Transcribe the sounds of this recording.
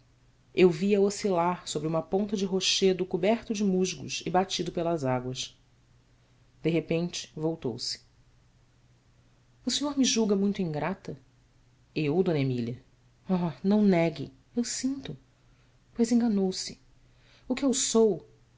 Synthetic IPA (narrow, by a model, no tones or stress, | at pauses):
ewviɐosilaɾsobɾiũmɐpõnt̪ɐd͡ʒɪɦoʃed̪ʊkubɛɾt̪ʊd͡ʒɪmuʒɡʊ̰ʃɪbat͡ʃid̪ʊpelɐzaɡwɐʃ | d̪̥eɦepẽnt͡ʃɪ̥vowt̪o̰wsɪ̥ | ʊsĩɲoɾmiʒuɡɐmũj̃t̪ʊẽɡɾat̪ɐ | ewd̪õnemiljɐ | ɔnɐ̃w̃nɛɡɪ̰ | ewsĩnt̪ʊ | pojzẽŋɡanowsɪ̥ | ʊkɪewsow